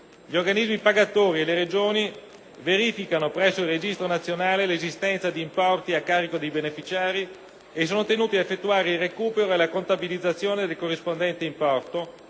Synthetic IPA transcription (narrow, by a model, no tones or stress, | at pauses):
ʎiorɡanizmipaɡat̪oːɾieleɾed͡ʒoːni | veɾiːfikanopɾɛsːoilred͡ʒist̪ɾonat̪sːjonaːlelezist̪ɛnt̪sad̪iːmpɔrt̪iakːaːɾikod̪ejbenefit͡ʃaːɾi | es̬ːoːnot̪enuːt̪iaefːet̪ːuaːɾeilrekuːpeɾoelakont̪abilid̪zːat̪sːjoːned̪elkorːispond̪ɛnt̪eimpɔrt̪o